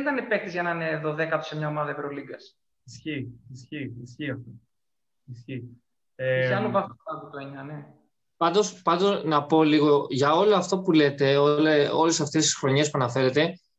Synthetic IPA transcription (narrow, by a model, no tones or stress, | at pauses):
nit̪ɐnepe̞t̪izʝɐnɐneːðoðe̞kɐt̪osemɲɐomɐðɐivɾoliɡɐs | isçiisçiisçiɐft̪o | isçi | esɐnuvɐst̪ɐputɾoɲɐne̞ | pɐnd̪o̞spɐnd̪o̞nɐpo̞liɣo̞ʝɐo̞loɐft̪o̞pule̞t̪e̞oleo̞lesɐft̪e̞st̪i̥sxɾo̞ɲe̞s̬puɐnɐfe̞ɾe̞t̪e̞